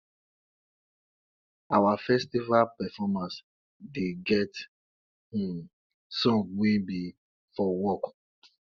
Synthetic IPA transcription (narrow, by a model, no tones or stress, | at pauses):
awafɛstivalpɛfɔmãns | deɡɛt | hĩm | sɔ̃mwĩbi | fɔwɔk